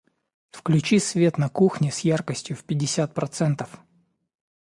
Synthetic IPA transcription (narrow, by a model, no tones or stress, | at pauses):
fklʲʉt͡ɕisvʲe̞t̪nɐkuxnʲɪsʲjarkəsʲtʲjʊfpʲɪdʲːɪsʲat̪̚pɾɐt̪sɛnt̪əf